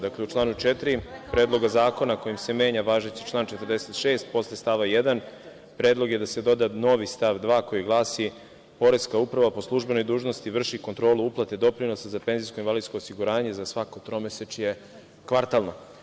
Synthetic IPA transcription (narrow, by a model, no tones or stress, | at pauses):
d̪akleut͡ʃlaːnut͡ʃet̪ɾipɾeːd̪lˠo̞ɡazaːko̞nako̞jimse̞me̞ːɲaʋaːʒet͡ʃ̪i̥t͡ʃlˠaːnt͡ʃet̪əɾd̪eset̪ʃe̞ːst̪̚po̞slest̪aʋajed̪an | pɾeːd̪lˠo̞ɡje̞d̪ase̞d̪o̞d̪ano̞ʋist̪aʋd̪ʋaːko̞jiɡlˠaːsi | po̞ɾe̞skaupɾaʋapo̞slˠuʒbe̞no̞jd̪uːʒnost̪iʋr̩ʃiko̞nt̪ɾo̞ːluuplˠat̪ed̪o̞pɾino̞sazape̞nzijskoinvalid̪skoːsiɡuɾaːɲe̞zasʋako̞t̪ɾo̞meset͡ʃje | kʋaɾt̪alˠno